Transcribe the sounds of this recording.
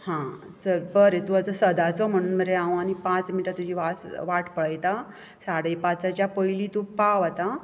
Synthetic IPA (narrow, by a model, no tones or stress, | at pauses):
hã | səɾbəɾet̪uat͡səsəd̪at͡sɔm̤əɽ̃uːnməɾeãw̃anipãt͡sminiʈat̪ːud͡ʑiːʋasʋaʈʰpəɭəjt̪a | saɽəjpãt͡sat͡ɕjapəilit̪upaʋat̪a